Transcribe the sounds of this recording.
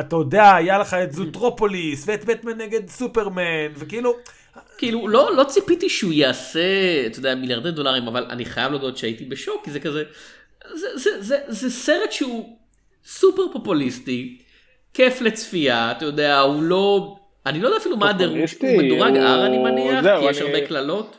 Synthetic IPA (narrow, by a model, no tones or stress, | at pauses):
at̪ajod̪eaːjaleχaet̪zut̪ʁopolisveet̪bet̪meneɡe̞d̪supeʁmenvekiilu | kiilulo̞lo̞t͡sipit̪iʃɛujaːseat̪ojd̪eamiljaʁd̪ed̪o̞laʁimavala̰niχajavlod̪oot̪ʃeait̪ibeʃokːizekaze | zezezezese̞ʁetʃeu | supeʁpo̞pulisti | ke̞flet͡sfiaːt̪ajod̪eaulo̞ | anilojd̪afilumaːd̪eʁumed̪uʁaɡa̰ʁanimaniaχaʃaʁbeklalo̞t̪